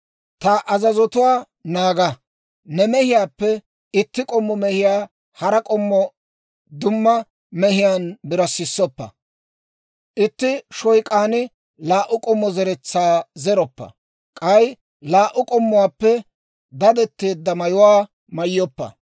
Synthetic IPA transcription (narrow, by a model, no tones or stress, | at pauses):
t̪ɐʔɐzɐzɔt̪ʊwaː | naːɡɐ | nɛmɛhɪjaːpːɛ | ɪt̪ːɪkʼɔmːɔmɛhɪjaː | hɐɾɐkʼɔmːɔ | d̪ʊmːɐ | mɛhɪjaːnbɪɾɐsːɪsːɔpːɐ̰ | ʔɪt̪ːɪʃɔjkʼaːnɪ | laːʔʊkʼɔmːɔzɛɾɛt͡sːaːzɛɾɔpːɐ̰ | kʼɐj | laːʔʊkʼɔmːɔʊwaːpːɛ | d̪ɐd̪ɛt̪ːeːd̪ːɐmɐjʊwaː | mɐjːɔpːɐ̰